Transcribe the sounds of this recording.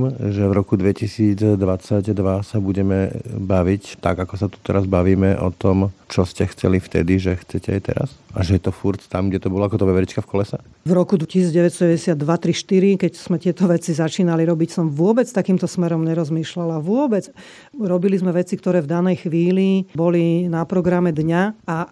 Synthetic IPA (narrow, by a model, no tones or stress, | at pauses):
mʒɛvɾɔkud̪ʋɛcisiːd͡zd̪ʋat͡saɟd̪ʋasabuɟɛmɛbaʋict̪a̰ɡakɔsat̪u̥t̪ɛɾazbaʋiːmɛʔɔ̰t̪ɔmt͡ʃɔscɛxt͡sɛ̰lift̪ɛ̰d̪iʒɛxt͡sɛcɛajt̪ɛ̰ɾa̰sʔaʒɛjɛt̪ɔfuɾt̪t̪amɡɟɛt̪ɔbɔlɔakɔt̪ɔʋɛʋɛɾit͡ʃkafkɔlɛsa | vɾɔkud̪cisiːd͡zɟɛʋɛcst̪ɔɟɛʋɛɟɛsɪad̪ːʋat̪ɾiʃt̪iɾikɛcz̥mɛt̪ɪɛt̪ɔʋɛt͡sizat͡ʃiːnaliɾɔbicsɔmʋʊɔbɛt͡st̪akiːmt̪ɔsmɛɾɔmɲɛɾɔzmiːʃlalaʋʊɔbɛt͡s | ɾɔbilizmɛʋɛt͡sikt̪ɔɾɛːvd̪anɛjxʋiːlibɔlinapɾɔɡɾamɛd̪ɲaa